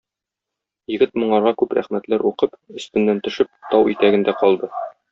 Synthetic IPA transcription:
jɘ̆ɡɘt̪̚mŏɴɑɾʁɑkʉpɾæ̰χmæt̪læɾuqɤpɵ̆st̪ɘ̆nːænt̪ɵ̆ʃɘp̚t̪ɒwḭt̪æɡɘ̆nd̪æqɒlˠd̪ɤ

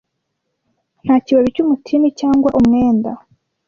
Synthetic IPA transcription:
n̥haːciβaβicumutʰinicaːŋɡwaʔumŋe̞ːnda̰

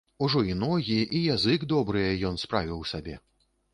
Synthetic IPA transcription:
uʐɔinɔɣʲiʔijazɨɡd̪ɔbɾɨjɛjɔn̪spɾavʲiwsabʲɛ

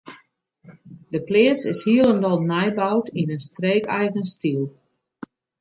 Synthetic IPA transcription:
dəplɪːət͡sɪshiəlˠəndɔlˠnɛjbawtinənstreːkɛjɣənstiəlˠ

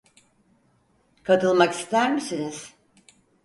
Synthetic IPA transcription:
kʰat̪ʰɯlˠmaki̥st̪ʰæɾmisiniz̥

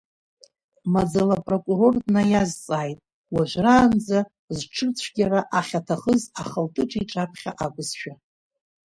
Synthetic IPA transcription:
mad͡zalapʼro̞kʷʼuro̞rdnajazt͡sʼaːjtʼ | waʒʷraːnd͡za | zʈ͡ʂʰɨt͡sʷʰɡʲaɾaʔaχʲatʰaχəzaχəltʼɨʈ͡ʂʼiʈ͡ʂʼapʰχʲa̰ʔaɡʷʼʊzʃᶣa

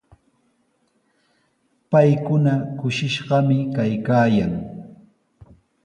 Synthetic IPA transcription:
pajkʊnakʊʃɪʃɢɑmɪkajkaːjaŋ

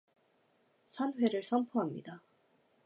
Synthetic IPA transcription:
sʰanɸwe̞ɾɯɭsʰʌnpʰoɦamɲḭda

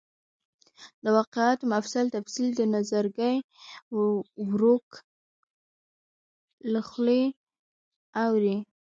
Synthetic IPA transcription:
d̪əwɑqeɑt̪omafsalt̪afsild̪ənazaɾɡəj | wɾok | laxle | awɾi

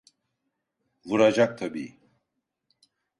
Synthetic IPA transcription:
vuɾad͡ʒak̚t̪ʰabḭːi

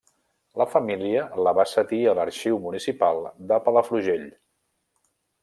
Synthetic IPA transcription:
ləfəmiliələβasət̪iələɾʃiwmunisipalˠd̪əpələfɾuʒeʎ

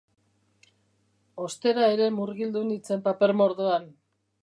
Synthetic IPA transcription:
o̞st̪e̞ɾae̞ɾe̞muɾɣild̪unit͡se̞mpape̞ɾmo̞ɾðoan

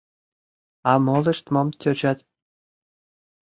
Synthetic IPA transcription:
ɑmɤlˠɘ̆ʃt̪momt̪ʲʰøt͡ɕæt̪

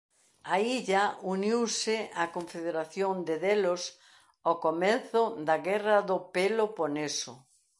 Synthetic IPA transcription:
aiʎauniwsɪakõɱfeðeɾaθjond̪ɪðelʊs | okomenθʊðɐɣɛrɐðʊpeloponesʊ

